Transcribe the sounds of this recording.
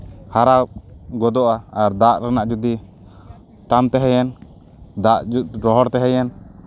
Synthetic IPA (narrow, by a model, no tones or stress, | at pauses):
haɾaɡɔd̪ɔʔaːɾd̪aʔɾanaʔd͡ʒud̪i | ʈamt̪ɛɦɛjɛn | d̪aʔuɾɔɦɔɾt̪ɛɦɛjɛn